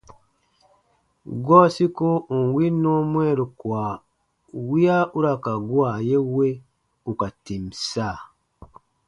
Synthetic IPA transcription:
ɡo˦si˦kuː˦˨ŋwi˦no˦mwe˦˨ɾo˨kwa˨ | wja˦u˦ɾa˨ka˨ɡwa˦˨je˦we˦ | u˨ka˨ti˨mi˨sa˦˨

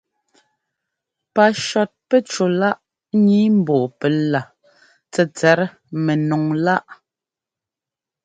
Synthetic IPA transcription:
pa˨ʃɔ˨t̚pɛ˦t͡ʃo˨la˦ʔ | ɲi˨˦m̩˨bɔ˨pɛ˨˦la˨ | t͡sɛ˨t͡sɛ˨˦ɾ | mɛ˨nɔ˨ŋla˦ʔ

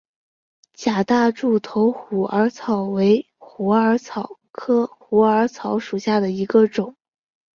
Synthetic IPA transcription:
t͡ɕja˨˩t̪a˥˧ʈ͡ʂu˥˩t̪ʰo˧˥ʊxu˨˩ʔə˞˧˥t͡sʰɑ˨˩ʊwe˧˥ɪ | xu˧˥ə˞˧˥t͡sʰɑ˨˩ʊ | kʰɤ˥xu˧˥ə˞˧˥t͡sʰɑ˧˥ʊʂu˨˩ɕja˥˩d̪ə˩i˧˥ɡə˧ʈ͡ʂʊ˨˩˦ŋ

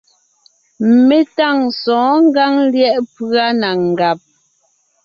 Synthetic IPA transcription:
me˦ta˦˨ŋsɔ̃ː˨˦ŋ̩˦ɡa˦ŋljɛ˦˨ʔpɰa˦na˨ŋ̩˨ɡa˨p̚

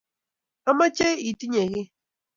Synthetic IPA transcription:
a˦ma˦t͡ʃe˦i˨ti˦ɲe˨ɣɪ˦

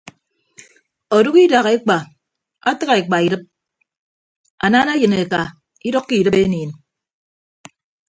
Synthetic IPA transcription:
o˨du˦ɣi˦da˨ɣe˦k͡pa˨ | a˦tɨ˦ɣa˨e˨k͡pa˨i˨dɨ˦p̚ | a˨naː˦na˦jɨ˨ne˨ka˨ | i˦dɔ˦kːi˦˨dɨ˦pe˦niː˨n

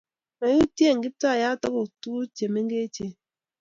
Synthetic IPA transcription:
ma˨˦u˦tje˦˨ŋ̩˨ɡi˦p̚ta˦a˨ja˦tɔ˦ku˨tu˦u˦t͡ʃe˨me˦ŋ˦ɡe˦tje˨

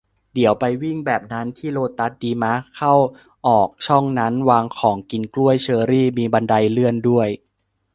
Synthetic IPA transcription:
di˩˦əwpa˧jwi˥˩ŋbɛː˨˩p̚na˦˥nt̪ʰiː˥˩loː˧˩t̪ːa˦˥t̪̚diː˧ma˦˥kʰa˥˩w | ʔɔː˨˩k̚t͡ɕʰɔ˥˩ŋna˦˥nwaː˧ŋkʰɔː˩˦ŋki˧nklu˥˩əjt͡ɕʰɤː˧ɾiː˥˩miː˧ba˧nda˧jlɯ˥˩əndu˥˩əj

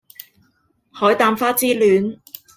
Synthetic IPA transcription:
hɔː˨˥jt̪aː˧mfaː˥t͡siː˥lyː˨˧˥n

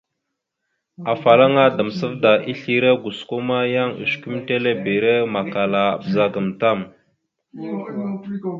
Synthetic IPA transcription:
a˨fa˨la˦ŋa˦da˨m˨sə˦vda˨ʔi˦ɬi˦ɾe˦ɡu˨sko˦ma˦ja˦ŋṵ˨sku˦mte˦le˦be˨ɾe˦ma˨ka˨la̰˨bza˦ɡə˨mta˦˨m

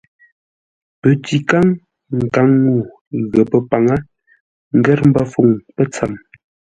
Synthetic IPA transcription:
pə˨ti˨ka˦ŋ | ŋ̩˨ka˨˦ŋːu˦˨ | ɣə˨pə˨pa˨ŋa˦ | ŋ̩˦ɡɛ˦ɾm̩˦bə˦fo˨ŋpə˦t͡sa˨m

